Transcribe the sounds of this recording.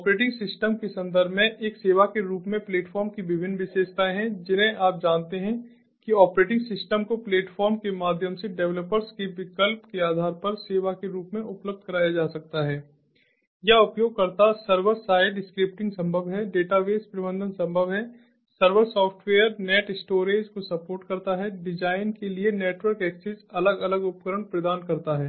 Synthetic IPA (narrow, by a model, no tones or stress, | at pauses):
ɔːpɾeːʈɪ̃ŋɡsɪsʈəmkesɐ̃nd̪əɾbʱmẽʔeːkseːʋakeɾuːpmẽpleːʈfɔːɾmkibɪbʱɪnːʋɪseːʃt̪aɦɛ̃d͡ʒɪnɦẽʔaːp̚d͡ʒaːnt̪eɦɛ̃ | kiɔːpɾeːʈɪ̃ŋɡsɪsʈəmkopleːʈfɔːɾmkemaːd̪ʱjəmseɖɛʋləpəɾskiʋɪkəlpkeaːd̪ʱaːɾpɐɾseːʋakeɾuːpmẽʔʊpləb̚d̪̚ʱkɐɾaːjad͡ʒaːsɐk̚t̪aɦɛː | jaʊpjoːɡ̚kɐɾt̪asɐɾʋəɾsaːɪɖɖɪskɾɪp̚ʈɪ̃ŋɡsɐ̃mbʱəʋɦɛɖeːʈaʋeːspɾɪbə̃nd̪ənsɐ̃mbʱəʋɦɛ | sɐɾʋəɾsɔːfʰʈʋeːəɾneːʈɪsʈoːɾeːd͡ʒkosɐpoːɾʈkɐɾt̪aɦɛɖɪd͡ʒaːɪnkelieneːʈʋəɾkɛːksɪzɐləɡɐləɡʊpkəɾəɳ̃pɾɐd̪aːnkɐɾt̪aɦɛː